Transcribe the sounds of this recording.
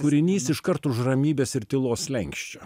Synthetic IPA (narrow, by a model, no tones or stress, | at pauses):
kʊɾʲɪnʲiːsɪʃkɐɾt̪ʊʃrɐmʲiːbʲeːsɪɾt̪ʲɪlˠoːslʲɛŋʲkʃʲt͡ʃʲoː